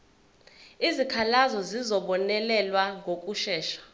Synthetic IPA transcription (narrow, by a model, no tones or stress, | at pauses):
izikʰalazɔzizɔɓɔnɛlɛlwaŋɡʱokʼuʃɛːʃḁ